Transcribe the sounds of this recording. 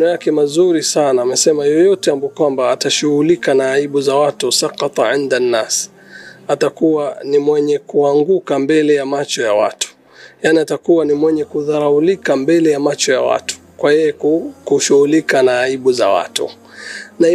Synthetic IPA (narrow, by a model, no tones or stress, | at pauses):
nɔjakɛmazuɾisanaːmɛsɛmajɔjɔtɛambukwambaːtaʃuhulikanaːiɓuzawatusɑqɑt̪ˤɑʕindanːas | atakuwanimwɛɲɛkuaŋɡukambɛlɛjamat͡ʃɔjawa̰tu̥ | janiatakuwanimwɛɲɛkuðaɾaulikambɛlɛjamat͡ʃɔja̰wa̰tu̥kwajɛjɛkkuʃuhulikanaːiɓuza̰wa̰tṵ | na